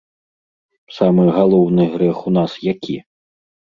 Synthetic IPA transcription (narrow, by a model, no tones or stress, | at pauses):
samɨɣalˠɔwnɨɣɾɛxunasjakʲʰi